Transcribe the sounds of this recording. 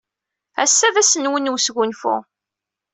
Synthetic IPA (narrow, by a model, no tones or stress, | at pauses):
æ̰sːæðæsənwənwsɡʷʊnfṵ